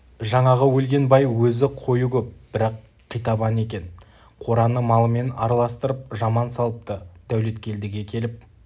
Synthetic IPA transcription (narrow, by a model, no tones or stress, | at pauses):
ʒɑɴɑʁəwɵlɡʲe̞nbɑjwɵzɪqʰo̞jukʲʰɵp̚b̥ɪɾɑqʰː | ijt̪ɑbɑne̞kʲe̞n | qʰo̞ɾɑnəmɑlˠəme̞nɑ̰ɾɑlˠɑst̪əɾəp̚ʒɑmɑnsɑlˠəp̚t̪əd̪̥æwle̞t̪kʲe̞ld̪ɪɡʲe̞kʲʰe̞lɪp̚